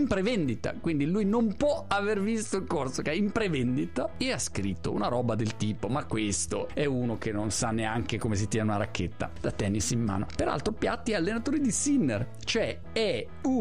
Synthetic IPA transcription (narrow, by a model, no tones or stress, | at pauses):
mpɾevɛnd̪it̪a̰kwind̪ilujnompwɔavervist̪oiŋkorsokɛimpɾevɛnd̪it̪aeaskɾit̪ːo̰ṵnaɾɔːbad̪elt̪iːpomakːwest̪oɛunokenːonsanːeaŋkekomes̬it̪jɛːneunaɾakːet̪ːa̰d̪̥at̪ːɛnːisimma̰ːno̰peɾa̰lt̪ɾopja̰t̪ːialːenat̪oːɾid̪isinːer | t͡ʃoɛ | ɛ | u